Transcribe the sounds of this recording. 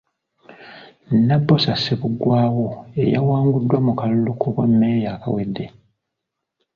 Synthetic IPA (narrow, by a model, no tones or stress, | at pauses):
nːabːosasːeβuɡwaːwoḛja̰waːŋɡudːwamukalulukʰoβamːejaːka̰wedːe̞